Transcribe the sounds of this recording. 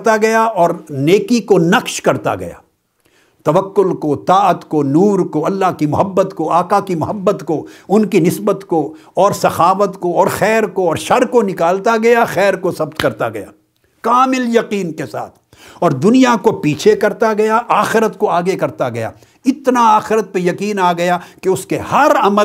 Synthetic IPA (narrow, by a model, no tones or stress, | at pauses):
t̪aɡɐjaɔːɾneːkikonɐqʃkɐɾt̪a̰ɡɐ̰ja̰ː | t̪ɐʋɐkːʊlkot̪aːət̪konuːɾkoɐlːaɦkimʊɦəbːət̪koaːkakimʊɦəbːət̪koʊnkinɪsbət̪ko | ɔːɾsɐxaːʋət̪koɔːɾxɛːɾkoɔːɾʃɐɾkonɪkaːlt̪aɡɐjaxɛːɾkosɐbt̪kɐɾt̪aɡɐja̰ː | kaːmɪljɐqiːnkesa̰ːt̪ʰ | ɔːɾd̪ʊnijakopiːt͡ʃʰekɐɾt̪aɡɐjaʔaːxɪɾət̪koaːɡekɐɾt̪aɡɐja̰ː | ɪt̪naaːxɪɾət̪̚pejɐqiːnaːɡɐjakeʊskehɐɾɐmə